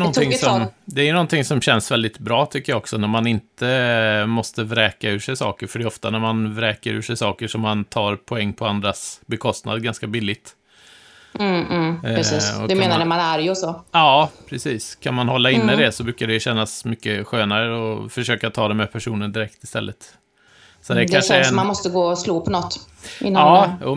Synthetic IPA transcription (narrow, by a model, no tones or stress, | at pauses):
ɔnʰɪŋsɔmd̪ɛæjɵnɔnt̪ʰɪŋsɔmɕɛnsvɛld̪ɪt̪bɾɑːt̪ʰʏkːəjɑːɔksɔnæɾmanɪnt̪əmɔst̪əvɾɛːkaʉ̟ːʂɛjsɑ̰ːkəɾfœɖɛɔft̪anæɾmanvɾɛːkəɾʉ̟ːʂɛjsɑːkəʂɔmːant̪ʰɑːɾpʰɔɛŋːpʰɔand̪ɾasbɛkʰɔst̪na̰d̪ɡanskabɪlːɪɡ̚t̪ | ɾɛsiːɔ̰d̪ɵmeːnadəmanaɾjɔsɔɑːpʰɾɛsiːskʰanmanhɔlːaɪnːəd̪ɛsɔbɾʉːkad̪ɛjʉɕɛnːasmʏkːəɧøːnaɾəɔfœʂøːkat̪ʰɑːd̪ɛmɛpʰæʂuːnənd̪ɪɾɛk̚t̪ɪ̥st̪ɛlːʔət̪ | sɔd̪ɛæk̪ʰanʂənanmɔst̪əɡoːsluːpʰɔnɔt̪ː | ɪnːɑːjṵː